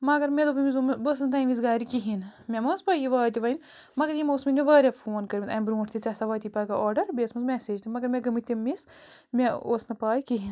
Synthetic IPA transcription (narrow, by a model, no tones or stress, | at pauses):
mɐɡɐɾmʲed̪oːbɐmizombəs̬nɨt̪aːmiz̬ɡaːɾikiɦinmʲemɐːspɐːjiʋaːt̪iʋɐin | mɐɡɐɾjimoːsminʲmeʋɐːɾʲafʰoːnkɐɾbint̪ɐːmbɾũːʈʰt̪it͡ʃɐsɐʋaːt̪ʲipɐːɡɐʔoːɾɖɐɾbeːsmɐzmʲɛːseːd͡ʒt̪imɐɡɐɾmeɡɐmɨt̪ʲimːis | mʲeoːsnɐpaːjkiɦin